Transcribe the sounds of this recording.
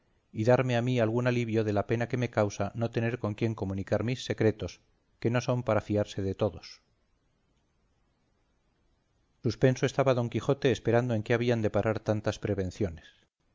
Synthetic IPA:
iðaɾme̞amialɣ̞unaliβjo̞ðe̞lape̞nake̞me̞kawsano̞t̪e̞ne̞ɾko̞ŋkje̞ŋko̞munikaɾmisːe̞kɾe̞t̪o̞s | ke̞no̞so̞mpaɾafiaɾse̞ðe̞t̪o̞ðo̞s | suspe̞nso̞est̪aβaðo̞ŋkixo̞t̪e̞ːspe̞ɾand̪oe̞ŋke̞aβ̞iand̪e̞paɾʔaɾt̪ant̪aspɾe̞β̞e̞nθjo̞ne̞s

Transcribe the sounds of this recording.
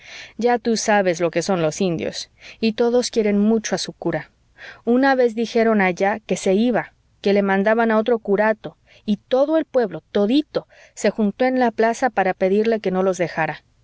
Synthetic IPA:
ɟ͡ʝat̪usaβe̞zlo̞ke̞so̞nlo̞sind̪jo̞̰sit̪o̞ðo̞skjeɾe̞nmut͡ʃoasukuɾa | unaβe̞zðixe̞ɾo̞naʝake̞se̞iβa | ke̞le̞mãnd̪aβanao̞t̪̬ɾo̞kuɾat̪o | it̪o̞ðo̞e̞lpwe̞βlo̞t̪o̞ðit̪o̞ | se̞xunt̪o̞enlaplasapaɾape̞ðiɾle̞ke̞no̞lo̞zðe̞xaɾa

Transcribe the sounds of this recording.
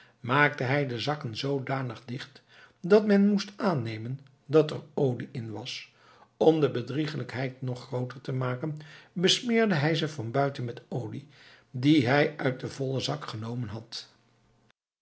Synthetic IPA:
maːk̚təɦɛjdəzɑkənzowdaːnəχdɪχt | dɑtmɛnmustʔaːnejmən | dɑtə̰ɹowliʔɪnʋɑs | ɔmdəbədriχələkɦɛjtnɔχːrowtəɹtəmaːkənbəsmɪːɹdəɦɛjzəfɑnbœɥtənmɛtowli | diɦɛjʔœɥt̚dəvɔləzɑkχənowmənɦɑt

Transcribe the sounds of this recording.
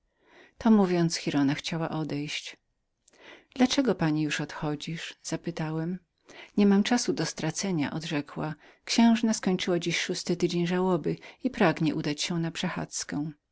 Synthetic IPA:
t̪ɔmuvʲjɔnt̪sxʲiɾɔnaxt͡ɕawaʔɔd̪ɛjɕt͡ɕ | d̪lat͡ʂɛɡɔpaɲijuʂɔt̪xɔd͡ʑiʂz̥apɘt̪awɛm | ɲɛmamt͡ʂasud̪ɔst̪ɾat̪sɛɲa̰ʔɔd̪ʐɛkwa | kɕɛ̃w̃ʐnaskɔɲt͡ʂɘwad͡ʑiɕʂust̪ɘt̪ɘd͡ʑeɲʐawɔbɘipɾaɡɲɛʔud̪at͡ɕɕɛ̃napʂɛxa̰t̪skɛ̃

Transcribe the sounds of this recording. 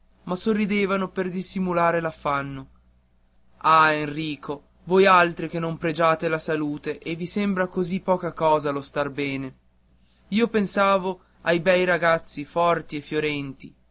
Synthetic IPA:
masorːid̪eːvanoperd̪isimulaːɾelafːanːo | aenriːkʰo | vojalt̪ɾik̟enːompɾed͡ʒaːt̪elasaluːt̪eʔevːisembɾakozipːɔːkakɔːzalost̪arbɛːne | iːopensaːvo | ajbɛjɾaɡat̪sːifɔrt̪iefːjoɾɛnt̪i

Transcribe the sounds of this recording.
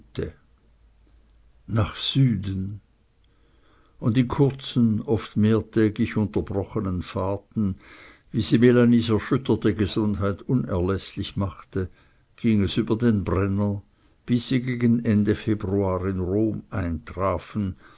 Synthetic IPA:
tə | naːχz̥yːdən̩ | ʊndɪnkʰʊɐt͡sn̩ɔftmeːɐtʰɛːɡlɪçʊntɐbʁɔxənənfaːtn̩ | viːz̥iːmelaniːsɛɐʃʏtɐtəɡəz̥ʊndhaɪtʊnɛɐlɛslɪçmaχtə | ɡ̥iːŋɛsyːbɐdeːnbʁɛnɐ | b̥ɪsːiːɡeːɡənɛndəfeːbʁuaːʁɪnʁoːmʔaɪntʁ̥aːfn̩

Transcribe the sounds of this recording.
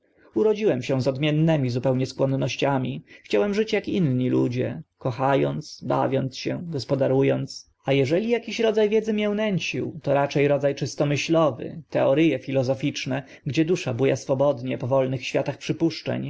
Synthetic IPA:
uɾɔd͡ʑiwɛmɕɛzɔd̪mʲjɛnːɛmʲizupɛwɲɛskwɔnːɔɕt͡ɕamʲixt͡ɕawɛmʐɘt͡ɕjakinɲilṵd͡ʑɛ̰kɔxajɔnt̪sba̰vʲjɔnt̪sɕɛɡɔspɔd̪aɾujɔnt̪s | ajɛʐɛlʲijakʲiɕɾɔd̪zajvʲjɛd̪zɘmʲjɛwnɛɲt͡ɕiwt̪ɔɾat͡ʂɛjɾɔd̪zajt͡ʂɘst̪ɔmɘɕlɔvɘ̰t̪ɛɔɾɘjɛfʲilɔzɔfʲit͡ʂnɛ | ɡd͡ʑɛd̪uʂabujasfɔbɔd̪ɲɛpɔvɔlnɘxɕfʲjat̪axpʂɘpuʂt͡ʂɛ̰ɲ

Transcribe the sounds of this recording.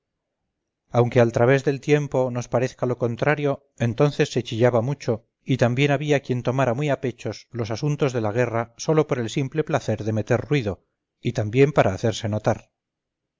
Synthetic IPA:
awŋke̞alt̪ɾaβ̞e̞zðe̞lt̪je̞mpo̞no̞spaɾe̞θkalo̞ko̞nt̪ɾaɾjo̞ | e̞nt̪o̞nθesːe̞t͡ʃiʎaβamut͡ʃo̞ | it̪ambje̞naβiakje̞nt̪o̞maɾamwiape̞t͡ʃo̞slo̞sasunt̪o̞zðe̞laɣ̞e̞raso̞lo̞po̞ɾe̞lsimple̞plaθe̞ɾðe̞me̞t̪e̞ɾrwiðo̞ | it̪ambje̞mpaɾʔaːθe̞ɾse̞no̞t̪aɾ

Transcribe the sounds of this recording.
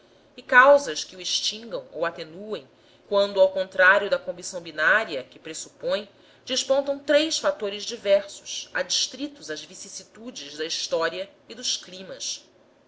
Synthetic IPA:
ɪkawzɐskɪuiʃt͡ʃĩŋɡɐ̃w̃o̰wat̪enuẽj̃ | kwɐ̃nd̪ʊawkõnt̪ɾaɾjʊd̪ɐkõmbisɐ̃w̃binaɾiɐkɪpɾesu̥põj̃ | d͡ʒiʃpõnt̪ɐ̃w̃t̪ɾejsfat̪oɾɪzd͡ʒivɛɾsʊ̥ʃa̰d͡ʒiʃt̪ɾit̪ʊzɐzvisisit̪ud͡ʒɪʒd̪ɐiʃt̪ɔɾiɐid̪ʊʃklĩmɐs

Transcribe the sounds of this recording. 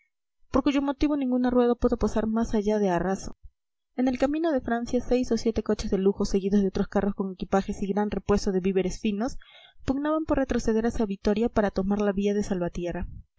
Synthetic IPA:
po̞ɾkuʝo̞mo̞t̪iβo̞nĩŋɡunarwe̞ð̞apweðopasaɾmasaʝað̞e̞araso̞̰ | e̞ne̞lkamĩno̞ðe̞fɾansjase̞jso̞sje̞t̪e̞ko̞t͡ʃe̞zðe̞luxo̞se̞ɣiðozðeo̞t̪ɾo̞skaro̞sko̞ŋe̞kipaxe̞siɣɾanre̞pwe̞st̪oðeβiβe̞ɾe̞sfino̞spuɡnaβampo̞ɾre̞t̪ɾo̞se̞ðe̞ɾasaβit̪o̞ɾjapaɾat̪o̞maɾlaβiaðe̞salβat̪je̞ra

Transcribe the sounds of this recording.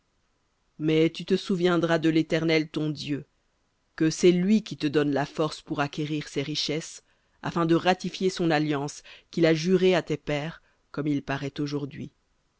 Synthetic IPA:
mɛt̪yt̪əsuvjɛ̃d̪ʁad̪əlet̪ɛʁnɛlt̪ɔ̃d̪jø | kəsɛlɥikʲit̪əd̪ɔnlafɔʁspuʁakʲeʁiʁseʁiʃɛs | a̰fɛ̃d̪əʁat̪ifjesɔ̃naljɑ̃skʲilaʒyʁeat̪epɛːʁ | kɔmilpaʁɛt̪oʒuʁd̪ɥḭ

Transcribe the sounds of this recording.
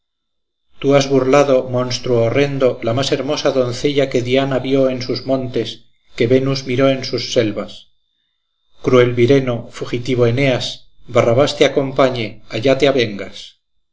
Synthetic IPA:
t̪uazβurlaðo̞mõ̞nst̪ɾuoːre̞nd̪o̞lamase̞ɾmo̞saðo̞nθe̞ʎake̞ðianaβjo̞e̞nsuzmõ̞nt̪e̞s | ke̞βe̞nuzmiɾo̞e̞nsusːe̞lβas | kɾue̞lβiɾe̞no̞fuxit̪iβ̞o̞e̞ne̞as | baraβast̪eako̞mpaɲe̞aʝat̪eaβe̞ŋɡas

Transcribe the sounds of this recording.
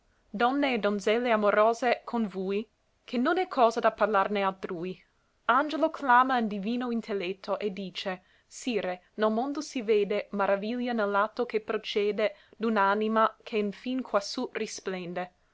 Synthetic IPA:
d̪ɔnːeːd̪onzɛlːeamoɾoːzekʰonvuj | kʰenːonɛkʰːɔːzad̪aparlarnealt̪ɾui | and͡ʒelokʰlaːmaund̪iviːnoint̪ʰelːet̪ʰːoʔed̪ːiːt͡ʃe | siːɾe | nelmond̪osiveːd̪emaɾaviljanelːat̪ːokepɾot͡ʃɛːd̪ed̪unanimakʰeinfinkʰwasurisplɛnd̪e

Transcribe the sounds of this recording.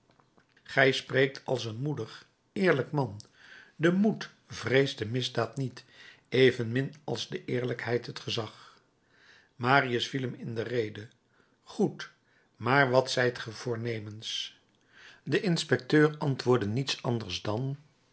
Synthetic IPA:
χɛjsprejk̚tʰɑlˠsənmudəχ | ɪːɹləkmɑn | dəmut | vrejzdəmɪzdaːtnit | ejvənmɪnɑ̰lˠzdəʔɪːɹləkɦɛjtɦətχəzɑχ | maːriəsfiləmɪndərejdə | χut | maːɹʋɑtsɛjtχəvʊːɹnejməns | dəʔɪnspɛk̚tøːrɑntʋʊːɹdənitsɑndəɹzdɑn

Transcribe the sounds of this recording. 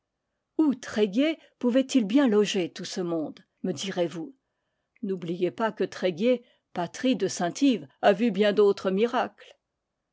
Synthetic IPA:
ut̪χeɡʲe | puvɛt̪ilbjɛ̃lɔʒet̪usəmɔ̃d̪ | məd̪iʁevu | nublijepakət̪χeɡʲe | pat̪χid̪əsɛ̃t̪ʰivavybjɛ̃d̪ot̪χəmiʁakl

